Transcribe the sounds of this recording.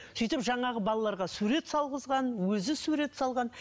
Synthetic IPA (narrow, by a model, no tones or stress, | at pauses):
sijt̪ɪpʒɑɴɑʁəbɑlˠɑlˠɑɾʁɑsuɾe̞t̪sɑlˠʁəzʁɑnwɵzɪsuɾe̞t̪sɑlˠʁɑn